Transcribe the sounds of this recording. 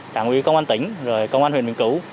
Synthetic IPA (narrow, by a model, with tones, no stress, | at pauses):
ɗa̰ː˧˨ŋʔwḭ˧˦˥kə˧wŋ͡mʔa˧nt̪ï˧˦ŋ̟zo˨˩jkə˧wŋ͡mʔa˧nɦḭ˨nwi˨˩˨ŋku˧˩˦